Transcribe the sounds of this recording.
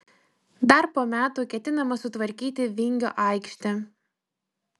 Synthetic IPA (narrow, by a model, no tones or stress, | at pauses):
d̪ɐɾpoːmʲæːt̪uːkʲɛt̪ʲɪnɐmɐsʊt̪ʋɐɾʲkʲiːt̪ʲɪʋʲɪŋʲɡʲo̰ːʔɑˑɪkʃʲt̪ʲɛ